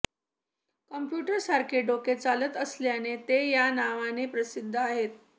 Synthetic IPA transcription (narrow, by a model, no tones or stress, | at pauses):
kəmpjuʈəɾsaɾkʰeɖoket͡salət̪əsljanet̪ejanaʋanepɾəsid̪ʱːəaɦet̪̚